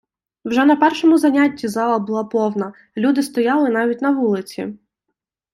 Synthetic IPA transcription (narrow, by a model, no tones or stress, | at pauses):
wʒɛnɐpɛrʃɔmʊzɐnʲatʲːizɑlˠɐbʊlˠɑpɔwnɐ | lʲud̪ɪst̪ɔjɑlˠɪnɑʋʲit̚ʲnɐʋulˠɪt͡sʲḭ